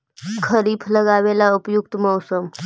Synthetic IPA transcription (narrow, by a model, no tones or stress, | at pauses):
kʰəɾiːpʰləɡaʋelaupjuk̚t̪məwsəm